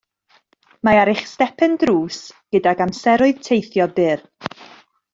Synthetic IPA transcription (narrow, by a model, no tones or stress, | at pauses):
maaɾɪχstɛpʰɛndruːsɡ̥ədaɡamsɛɾʊɨð̥tʰejθjɔbɪr